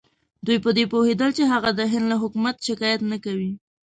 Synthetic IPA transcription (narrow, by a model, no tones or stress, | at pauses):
d̪ujpəd̪epohed̪əlt͡ʃeɦaɣad̪əɦɪnd̪laɦʊkumat̪ʃɪkɑjat̪nakawi